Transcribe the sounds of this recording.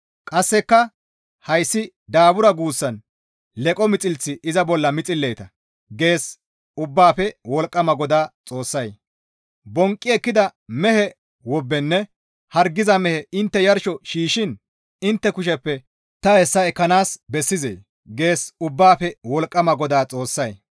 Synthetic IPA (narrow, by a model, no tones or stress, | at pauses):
kʼɐsːɛkːɐ | hɐjsːɪ | d̪aːbʊɾɐɡuːsːɐn | lɛkʼɔmɪt͡sʼɪlt͡sːɪʔɪzɐbɔlːɐmɪt͡sʼɪlːɛjt̪ɐ | ɡe̞ːs | ʊbːaːpɛwɔlkʼːɐmɐɡɔd̪aːt͡sʼo̞ːsːɐj | bɔŋkʼːɪɛkːɪd̪ɐmɛhɛ | wɔbːɛnːɛ | hɐɾɡɪzɐmɛhɛɪnt̪ːɛjɐɾʃɔʃiːʃɪn | ɪnt̪ːɛkʊʃ̬ɛpːɛ | t̪ɐhɛsːɐɛkːɐnaːsbɛsːɪzḛː | ɡe̞ːsʊbːaːpɛwɔlkʼːɐmɐɡɔd̪aːt͡sʼo̞ːsːɐj